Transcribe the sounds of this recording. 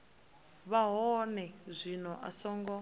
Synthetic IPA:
βaɦɔnɛzʷinɔʔa̰sɔːŋɡɔ

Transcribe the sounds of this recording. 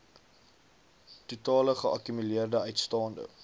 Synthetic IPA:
tutɑːləχəʔɐ̰kymyliərdəœɥtstɑːndə̰

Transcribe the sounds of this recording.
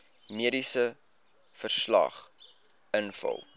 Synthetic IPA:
miədisə | fərslɐ̰χ | ənfɐ̰lˠ

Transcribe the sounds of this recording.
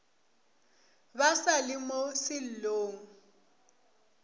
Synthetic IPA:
basalɪmosɪl̩loːŋ̩

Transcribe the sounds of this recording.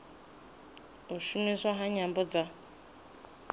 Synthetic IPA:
uʃumeswaɦaɲambɔd͡za

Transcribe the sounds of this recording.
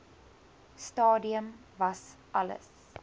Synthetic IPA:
stɑːdiəmvɐs | ʔɐlə̰s

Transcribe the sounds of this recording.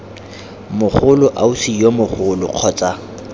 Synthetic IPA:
mʊχʊlʊʔausijomʊχʊlʊ̰q͡χʰɔːt͡sʼa

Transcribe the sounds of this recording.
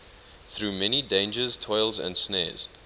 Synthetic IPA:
θɹuːmɛnidẽɪ̃nd͡ʒəz̥tʰɔɪlˠzə̰̃ndsnɛ̰ːz̥

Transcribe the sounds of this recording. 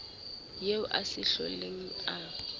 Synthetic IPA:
jeʊʔasɪɬɔ̰leŋ̩a

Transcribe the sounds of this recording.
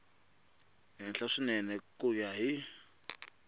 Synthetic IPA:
ɦinɬaʂinɛnɛkʼujaɦi

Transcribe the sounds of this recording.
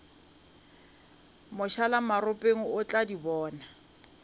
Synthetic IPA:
mʊʃalamarʊpʼeŋ̩ʊt͡ɬʼadibɔːna

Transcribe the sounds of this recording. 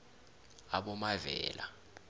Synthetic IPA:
aɓɔmavɛ̰ːla̰

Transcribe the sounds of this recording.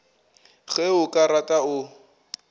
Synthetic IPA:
ɣɛʊkʼaɾatʼaʊ

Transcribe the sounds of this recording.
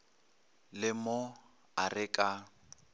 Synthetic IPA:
lɪmo | arɪkʼa

